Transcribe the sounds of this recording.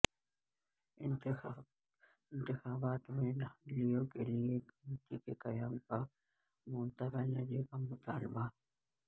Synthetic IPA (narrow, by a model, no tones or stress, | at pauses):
ɪn | ɪnt̪ɪxaːbaːt̪ʊmenɐlɪjoːkelɪjekɐmɪt̪iːkekɐjaːmka | mʊnt̪ɐkɐnɐd͡ʒekɐmʊt̪aːlɪba